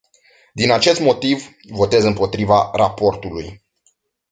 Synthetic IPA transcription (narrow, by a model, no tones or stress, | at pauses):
d̪inat͡ʃe̞st̪mo̞t̪ivː | o̞t̪e̞zɨmpo̞t̪ɾivaɾa̰po̞rt̪uluj